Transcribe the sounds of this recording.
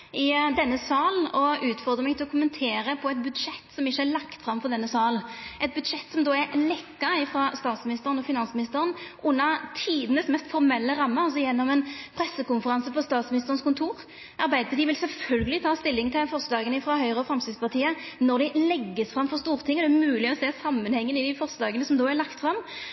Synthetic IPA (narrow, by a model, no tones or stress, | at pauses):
ɪd̪ɛnːəsɑːln̩ɔʉːt̪fɔʁd̪ʁəmɛɡt̪ɪlɔkʰʊmənt̪ʰeːɾəpʰɔɛt̪̚bʉd̪ʂɛt̪ːsɔmɪçːəɛlɑkt̪fɾɑmfɔʁd̪ɛnːəsɑːlɛt̪̚bʉd̪ʂɛt̪ːsɔmd̪oːæɾlɛkːɑɪfɾɑst̪ɑːt̪smɪnɪst̪əɾənɔfɪnɑnsmɪnɪst̪əɾənʔʊnːɑt̪ʰiːd̪ənəsmɛst̪fɔɾmɛlːəɾɑmːəɑls̬ɔjɛnːɔmɛnpʰɾɛsːəkʊnfəɾɑnsəpɔst̪ɑːt̪smɪnɪst̪əʁənskʊnt̪ʰuːɾ | ʔɑɾbæɪd̪əd̪ɪʋɪlsɛlfœlɡəlɪt̪ʰɑːst̪ɪlːɪŋt̪ʰɪlfɔʁsd̪ɑːɡənəɪfɾɑhœʏʁəɔfɾɑmst̪ɪspɑʁt̪ʰiːənɔʁd̪ɪlɛɡːəsfɾɑmfɔʁst̪uːʁt̪ʰɪŋːəd̪ɛmʉːlɪɔseːsɑmːənhɛŋːənɪd̪ɪfɔʁsd̪ɑːɡənəsɔmd̪oːæɾlɑkt̪fʁɑm